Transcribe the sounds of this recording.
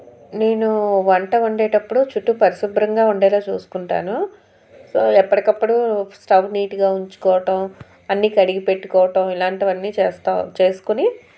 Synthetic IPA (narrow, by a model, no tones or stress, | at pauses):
ne̞ːnuʋɐɳʈɐuɳɖeːʈɐpːuɽut͡ʃuʈːupɐɾisubɾɐŋɡaːuɳɖɛːlaːt͡ʃuːsu̥kuɳʈa̰ːnu | soːɛpːɐɽikɐpːuɽusʈɐbniːʈiɡaːuɲt͡ʃu̥kɔːʋɐʈɐm | ɐnːiːkɐɽiɡipe̞ʈːukɔːʋɐʈɐmilaːɳʈiʋɐnːiːt͡ʃeːst̪at͡ʃe̞ːsu̥kuni